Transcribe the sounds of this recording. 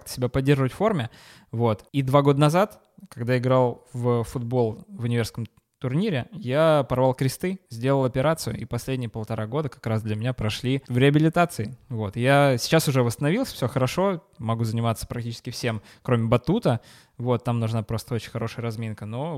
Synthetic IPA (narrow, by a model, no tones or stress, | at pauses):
kt̪ə̥sʲɪbʲapɐdʲːerʐəvətʲfo̞rmʲɪ | vo̞t̪id̪vaɡo̞d̪ənɐzat̪ | kɐɡd̪aɪɡɾalˠvəfʊd̪bo̞lˠvɪnʲɪvʲerskəm | t̪ʊrnʲiɾʲɪjapɐrvalˠkɾʲɪst̪ɨzʲdʲe̞lˠəlˠɐpʲɪɾat̪sɨjʊ̰ɪpɐsʲlʲedʲnʲɪjəpəlˠt̪ɐɾʔaɡo̞d̪əkɐ̥kɾasd̪lʲəmʲɪnʲapɾɐʂlʲivɾʲɪɐbʲɪlʲɪt̪at̪sɨɪvo̞t̪jasʲɪ̥t͡ɕasʊʐɛvəst̪ənɐvʲilˠsʲəfsʲoxəɾɐʂo̞ | mɐɡuzənʲɪmat̪sːə̥pɾɐk̚tʲit͡ɕɪ̥skʲɪfsʲe̞m | kɾo̞mʲɪbɐt̪ut̪ə | vo̞t̪ːamnʊʐnapɾo̞st̪əot͡ɕɪ̥nʲxɐɾo̞ʂɨjəɾɐzmʲinkəno̞